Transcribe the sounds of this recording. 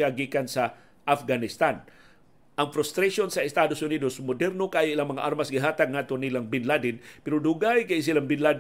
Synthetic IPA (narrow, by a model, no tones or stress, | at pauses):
aɡikansa | ʔafɡanɪst̪an | ʔaŋfɾʊst̪ɾaʃonsaɪst̪ad̪ʊsʊnidosmʊdɛɾnokajʔilaŋmɐŋa̰ʔaɾmasɡɪɦaːt̪aɡ̚ŋaːt̪onilaŋbɪnladɪnpɪɾʊduɡajkajɪs̬ilaŋbɪnlad